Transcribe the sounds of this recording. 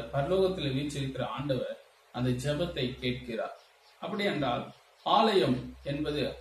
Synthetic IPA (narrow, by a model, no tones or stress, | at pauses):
pɐɾɐloːɣɐt̪ːɪlʋiːt͡ʃːɪɾɯkːɪɾɐaːɳɖɐʋɐɾ | ɐnd̪ɐd͡ʒɛbɐt̪ːɐɪkːeːʈ̚kɪra̰ːɾ | ʔɐpːɐɽɪɛndraːl | aːlɐjɐmɛnbɐðɯ